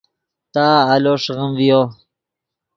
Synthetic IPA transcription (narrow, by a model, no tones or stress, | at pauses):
t̪aːloʂɣəmvijo